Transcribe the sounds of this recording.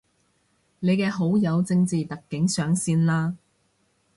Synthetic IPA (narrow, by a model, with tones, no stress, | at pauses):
ne˨˧jkɛː˧ɦo˨˥wjɐ˨˧wt͡sɪ˧ŋt͡siː˨t̪ɐ˨kːɪ˨˥ŋsœː˨˥ŋsiː˥nlaː˥